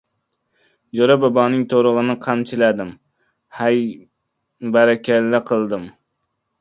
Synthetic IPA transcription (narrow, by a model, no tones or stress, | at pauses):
d͡ʒoɾababɒnɪŋt̪ʰoɾʊʁɨnɪqʰamt͡ʃʰɪlad̪ɪm | haj | baɾakʲʰalːaqʰɨlˠd̪ɪm